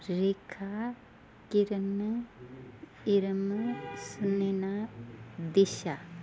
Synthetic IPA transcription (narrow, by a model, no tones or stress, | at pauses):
ɾekʰa | kiɾən | iɾəmsnena | d̪iʃa